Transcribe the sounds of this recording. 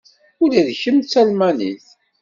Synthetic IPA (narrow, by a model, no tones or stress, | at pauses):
ʊlæðçəmt͡sːælmænḭθ